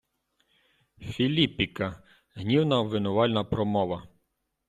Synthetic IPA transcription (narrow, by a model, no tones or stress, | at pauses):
fʲilʲipʲikɐ | ɦnʲiwnɐʋɪnɔʋɑlʲnɐpɾɔmɔʋɐ